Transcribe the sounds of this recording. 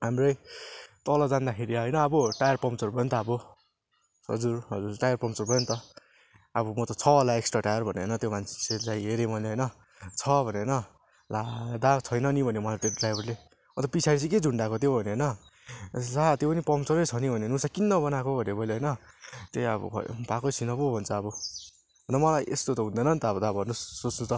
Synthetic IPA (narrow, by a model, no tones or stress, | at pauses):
ɦamrʌjt̪ʌlʌd͡zand̪akʰeɾiɦʌjnʌːbʌʈajʌrpʌmt͡sorbʌjnt̪ʌʌbʌ | ɦʌ̰d͡zurɦʌd͡zurʈajʌrpʌmt͡sʌrbʱʌjont̪ʌ | ʌbʌmʌt̪ʌt͡sʰʌlaeksʈraʈajʌrbʱʌnenʌt̪jomant͡sʰt͡sʰelajɦeɾemʌnɦʌjnʌ | t͡sʰʌbʱʌnenʌ | lad̪at͡sʰʌjnʌnibʱʌnemʌalʈeɖrajbʱʌrle | ʌnt̪ʌpit͡sʰaɾit͡sʰiked͡zuɳɖakot̪jobʱʌneɦʌnʌ | sat̪jopʌnipʌmt͡sʌɾet͡sʰʌnibʱʌnenusakinːʌbʌnakobʱʌnebʌjleɦʌjnʌt̪eʌbʌ̰pakojt͡sʰinʌbobʱʌnt͡sʰʌːbʌ | ʌnd̪ʌmʌlajʔest̪ot̪ʌɦũnd̪ʌnʌnt̪ʌbʌd̪abbʱʌrnusːot͡snut̪ʌ